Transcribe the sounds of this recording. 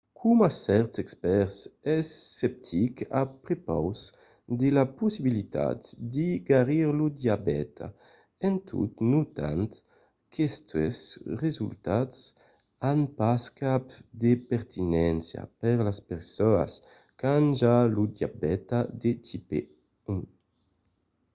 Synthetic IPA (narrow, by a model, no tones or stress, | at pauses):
kʰumasɛɾt̪sɛkspɛɾsɛsːɛp̚t̪ʰika̰pɾepa̰ws | d̪elapusibilit̪a̰t̪d̪iɡaɾiɾlud̪jabɛ̰t̪ʰa̰ | ɛnt̪ʰṵt̪nut̪a̰nt̪ | kʰɛst̪ɛsʁezult̪at̪s | anpaskapd̪epɛɾt̪ʰinɛnsja̰pɛɾlaspɛɾsɔa̰s | kanʒalud̪ja̰bɛt̪ad̪et̪ipḛ | u